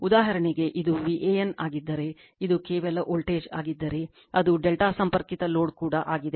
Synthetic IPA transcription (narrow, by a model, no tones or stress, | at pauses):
ud̪aːɦɐɾɐɳeɡe̞ʔid̪uʋiʔejɐna̰ːɡid̪ːɐɾe̞ | id̪ukeːʋɐlɐʔoːlʈeːd͡ʒa̰ːɡid̪ːɐɾe̞ | ɐd̪uɖelʈaːsɐmpɐɾkit̪ɐlo̞ːɖkuːɽɐʔaːɡid̪e